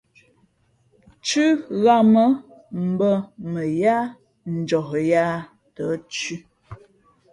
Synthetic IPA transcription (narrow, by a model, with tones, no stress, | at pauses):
t͡ʃʉ˦ɣa˦mə˦ | m̩˨bə˦mə˨ja˦ | n̩˨d͡ʒɔ˨hja˦ | tə˨˦t͡ʃʉ˦